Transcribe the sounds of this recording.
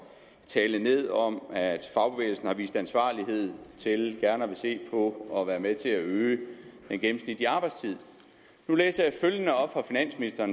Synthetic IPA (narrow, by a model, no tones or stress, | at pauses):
t͡sʰɛːləne̝ð̞̰ˠɒ̽mæd̥fɑ̈ʊb̥e̝ḛːl̩sn̩hɑ̈ʋḭːsd̥ænsʋɑ̈ːliɦe̝ð̞̰ˠt͡sʰe̝lɡ̥æɐnɐʋe̝se̝̰ːpʰɒ̽ɒʋæːɐmet͡sʰe̝æøːd̥enɡ̥em̩snid̥iɑ̈b̥ɑ̈ɪd̥st͡sʰið̞̰ˠ | nulḛːsɐjɑ̈føljənəɒ̽b̥fʁɑ̈finæn̰sminisd̥ɐːn